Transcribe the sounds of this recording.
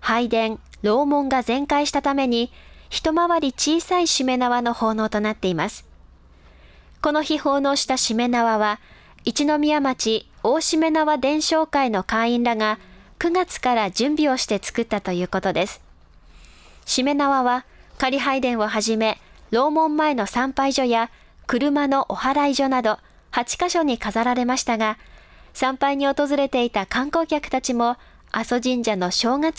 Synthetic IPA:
haid̪ẽ̞ɴ | ɾo̞ːmõ̞ŋɡazẽ̞ŋkaiɕi̥t̪at̪ame̞ɲ̟içi̥t̪o̞maβaɾʲit͡ɕiːsaiɕime̞naβano̞ho̞ːno̞ːt̪o̞nat̪ːe̞imasɨ̥ | ko̞no̞çiho̞ːno̞ːɕi̥t̪aɕime̞naβaβa | it͡ɕino̞mʲiamat͡ɕio̞ːɕime̞naβad̪ẽ̞ɰ̃ɕo̞ːkaino̞kaĩnɾaŋa | kɯ̟ɡat͡sɨ̥kaɾad͡ʑɨ̃mbʲio̞ɕi̥t̪e̞t͡sɨ̥kɯ̟t̪ːat̪o̞jɯ̟ːko̞t̪o̞d̪e̞sɨ̥ | ɕime̞naβaβakaɾʲiɦaid̪ẽ̞ɰ̃βoɦaʑime̞ | ɾo̞ːmõ̞mːae̞no̞sãmpaiʑo̞ja | kɯ̟ɾɯ̟mano̞ʔohaɾaiʑo̞nad̪o̞ | hat͡ɕi̥kaɕo̞ɲ̟ikazaɾaɾe̞maɕi̥t̪aɡa | sãmpaiɲ̟io̞t̪o̞zɨɾe̞t̪e̞it̪akãŋko̞ːkʲakɯ̟t̪at͡ɕimo̞ | aso̞ʑĩɲ̟d͡ʑano̞ɕo̞ːŋat͡s

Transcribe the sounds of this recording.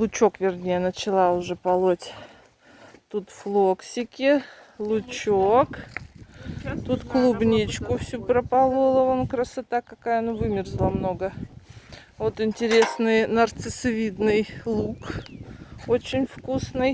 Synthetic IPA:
lˠʊt͡ɕokvʲɪrnʲejənət͡ɕɪlˠaʊʐɛpɐlˠotʲ | t̪ut̪flˠoksʲɪkʲɪlˠʊt͡ɕook | t̪ut̪klˠubnʲit͡ɕkʊfsʲupɾəpɐlˠulˠəonkɾəsat̪akɐkajənuvɨmʲɪrzlˠamnoɡə | vot̪ɪnʲtʲɪɾʲe̞snɨjnərt̪sɨsvʲid̪nɨjlˠuk | ot͡ɕɪnʲfkusnɨj

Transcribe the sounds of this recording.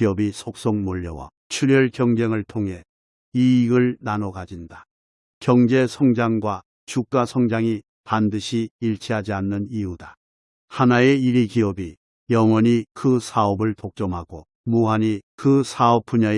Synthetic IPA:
iʌbisʰok̚s͈oŋmoʎːʌwa̰ | t͡ɕʰuɾjʌɭkjʌŋd͡ʑeŋɯɭtʰoŋɦe̞ | iːɡɯɭnanoɡad͡ʑinda | kjʌŋd͡ʑesʰʌŋd͡ʑaŋɡwa | t͡ɕuk̚k͈asʰʌŋd͡ʑaŋi | pandɯɕʰiːɭt͡ɕʰiɦad͡ʑianːɯniuda | hanaeiɾikiʌbi | jʌŋwʌɲikɯsʰaʌbɯɭtok̚t͡ɕ͈ʌmɦaɡo | muɦaɲikɯsʰaʌp̚p͈uɲa

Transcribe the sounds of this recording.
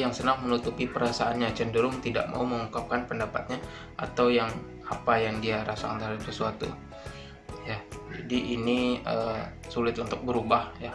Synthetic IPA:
jaŋsənaŋmənut̪upipəɾasaʔanɲat͡ʃəndəɾʊŋt̪ida̰ʔma̰uməŋukap̚kanpəndapat̪̚ɲa | ʔat̪awjaŋ | apajaŋdiaɾasakant̪əɾɦadap̚səsuat̪ṵ | jad͡ʒa̰diʔiniə | sulɪt̪unt̪ʊk̚bəɾubahja

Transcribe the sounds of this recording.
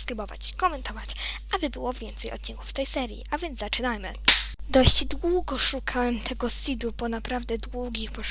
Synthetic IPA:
skɾibɔva̰t͡ɕkɔmɛnt̪ɔvat͡ɕabɘbɘwɔvʲjɛnt̪sɛjɔ̰t̪̚t͡ɕiŋkufft̪ɛjsɛɾʲjḭʔavʲjɛnd̪zzat͡ʂɘnajmɘ̰d̪ɔɕd͡ʑd̪wuɡɔʂukʰawɛmt̪ʰɛɡɔsʲid̪ubɔnapɾavd̪ɛd̪wuɡʲixpɔʂ

